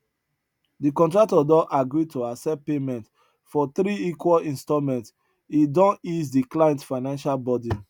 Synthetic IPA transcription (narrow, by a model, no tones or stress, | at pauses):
dikɔ̃ntɹak̚tɔdɔ̃ʔaɡɾitʰoasɛpemɛ̃nt | fɔθɾiikwɔlĩnstɔmɛ̃nt | idɔ̃nizdiklaɪɛ̃ntfaɪnãnʃalbɔdi